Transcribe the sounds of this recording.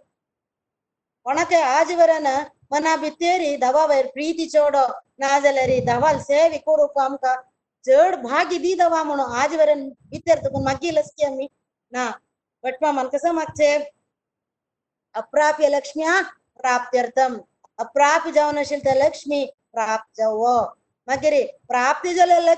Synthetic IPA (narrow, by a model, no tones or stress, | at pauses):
ɔɳɐt̪eaːd͡ʒiʋɐɾɐnɐ | mɐnaːbit̪jeːɾid̪ɐʋaʋɐjɾpɾiːt̪it͡ʃoːɽoːnaːd͡ʒɐlɐɾid̪ɐʋalseːʋikoɾukaːmka | t͡ʃəːɽbʱaːɡid̪id̪ɐʋaːmɐɳoaːd͡ʒiʋɐɾɐnbit̪jɐɾt̪ɐkɐnmɐɡilɐskijɐmi | na | bɐʈ̚maːmɐnkɐsɐmɐk̚t͡ʃe | ɐpɾaːpjɐlɐkʂmiaː | pɾaːp̚t̪jɐɾt̪ɐm | ɐpɾaːpid͡ʒɐʋnɐʃilt̪ɐlɐkʂmi | pɾaːp̚t̪̚d͡ʒɐwoː | mɐɡɐɾipɾaːp̚t̪ɐd͡ʒɐlɐlɐ